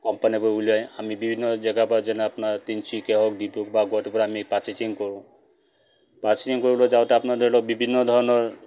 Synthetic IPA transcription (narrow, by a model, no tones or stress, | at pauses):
kɔmpanipɔuliaj̃amibibʱinːɔd͡ʒɛɡapɔd͡ʒɛneapnaɾt̪int͡ʃʰikeɦɔk̚d̪ipukbaɡɔʈ̪ipɔɾamipat͡ʃit͡ʃiŋkɔɾũ | pat͡ʃit͡ʃiŋkoɾiblɔd͡ʒawt̪eapnad̪ɔilɔbibʱinːɔd̪ʱɔɾɔnɔɾ